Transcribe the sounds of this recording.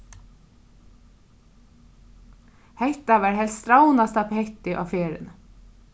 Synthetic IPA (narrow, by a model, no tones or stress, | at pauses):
hɛht̪aʋæːɹɦɛlst̪ɾawnast̪aphɛht̪ɪʔɔ̰ːfeːɾɪ̰n